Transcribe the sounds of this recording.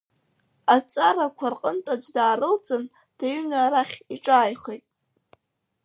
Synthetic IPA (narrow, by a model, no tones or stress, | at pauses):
at͡sʼaɾakʷʰarqʼəntʼad͡zʷdaːɾɨlt͡sʼɨn | d̥ajɥynaɾaχʲiʈ͡ʂʼaːjχejtʼ